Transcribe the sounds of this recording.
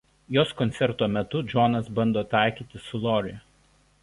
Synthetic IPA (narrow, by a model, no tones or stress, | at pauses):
joːskɔnʲt̪sʲɛɾt̪oːmʲɛt̪ʊd͡ʒɔnɐsbɐnd̪oːt̪ɑˑɪkʲiːt̪ʲɪsʊlˠɔɾʲɪ